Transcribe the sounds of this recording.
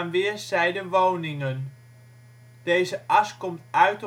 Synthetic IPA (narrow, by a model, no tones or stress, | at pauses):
nʋɪːɹsɛjdəʋownɪŋən | d̥ejzəʔɑskɔmtœɥt